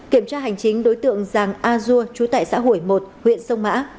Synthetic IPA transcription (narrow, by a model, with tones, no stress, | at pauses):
ki˧˩əmt͡ɕaː˧ɦa˨˩jŋ̟t͡ɕï˨˦ŋ̟ɗo˨˦jt̪ɨ̰˧˨əŋzaː˨˩ŋʔaː˧zu˧ət͡ɕu˨˦t̪a̰ː˧˨jsa̰ː˧˥ɦu˧˩jmo˨˩t̚hwḭ˧˨ənsə˧wŋ͡mma̰ː˧˥